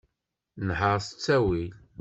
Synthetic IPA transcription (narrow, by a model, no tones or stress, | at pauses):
nħəɾsə̥t͡sːæwil